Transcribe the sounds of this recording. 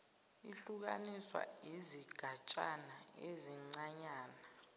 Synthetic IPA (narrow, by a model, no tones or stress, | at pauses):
iɬuk̬a̰niswa̰iziɡ̥ʱat͡ʃʼana | eziŋ͡ǀaɲaːna